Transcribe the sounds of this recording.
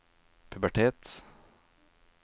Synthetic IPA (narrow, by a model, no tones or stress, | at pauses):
pʰʉbæʈʰeːt̪